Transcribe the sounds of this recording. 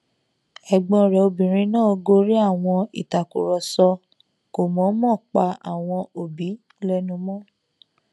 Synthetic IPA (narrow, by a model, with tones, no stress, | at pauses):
ɛ˨ɡ͡bɔ̃˧ɾɛ˨o˧bĩ˨ɾ̃ĩ˧˦nãː˦˨o˧ɡo˦ɾi˦a˦˨w̃ɔ̃˧ḭ˨ta˨ku˨ɾɔ˨sɔ˧ | ko˨mɔ̃˨˦mɔ̃˦˨k͡pa˧a˨w̃ɔ̃˧o˨bi˨˦ | lɛ˦nũ˧mɔ̃˦